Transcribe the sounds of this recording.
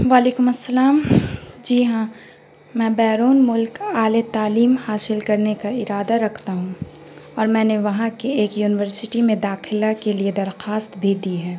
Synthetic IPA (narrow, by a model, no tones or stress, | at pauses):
ʋaːleːkʊmɐsːɐlaːmd͡ʒiːɦãː | mɛ̃ːbɛːɾoːnmʊlkaːlet̪aːliːmhaːsɪlkɐɾnekaɪɾaːd̪aɾɐkʰt̪aɦũː | ɔːɾmɛ̃ːneʋɐɦãkeeːkjuːnɪʋəɾsɪʈimẽd̪aːxɪlakelied̪ɐɾxaːst̪bʱid̪iɦɛː